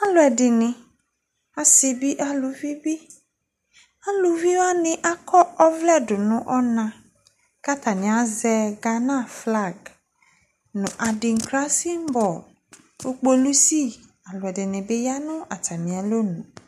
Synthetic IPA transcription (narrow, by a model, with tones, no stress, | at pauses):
a˨˦lʊ˨ɛ˨dɪ˨nɪ̃˨ | a˨sɪ˨bi˦ʔa˦lʊ˨vi˦bi˦ | a˦lʊ˨vi˦wa˦nɪ̃˨ʔa˦kʰɔ˦ɔ˦vlɛ˦dʊ˨nʊ̃˦ʔɔ˦nã˨ | ka˦t̪a˨nɪ̃˨a˨zɛ˨ɡa˨nã˦˨fla˦˨ɡ | nʊ̃˨ʔa˨dɪ˨ŋ̩˨kɾa˦si˦m˦bɔ˨ | o˦k͡po˦lu˦si˦˨ | a˨lʊ˨ɛ˨dɪ˨nɪ̃˨bɪ˦ja˦nʊ̃˦a˨ta˨mĩ˨a˨lo˦nʊ̃˨